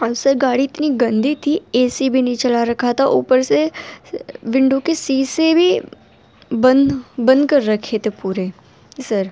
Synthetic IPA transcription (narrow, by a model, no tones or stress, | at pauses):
ɐbsəɾɡaːɽiɪt̪niɡə̃nd̪ʱit̪ʰieːsibʱinɐĩt͡ʃɐlaɾɐkʰat̪aʔṵːpəɾse | ʋɪ̃ɳɖukesiːsebʱi | bə̃nbə̃nd̪kɐɾːɐkʰet̪epuːɾe | səɾ